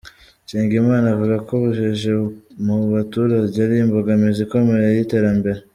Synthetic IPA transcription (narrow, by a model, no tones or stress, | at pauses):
ʃiːŋɡimŋaːnavuɡakoβuʒeʒemuβatuɾaɟaɾimboɡamiziko̞meɾejite̞ɾambe̞ɾe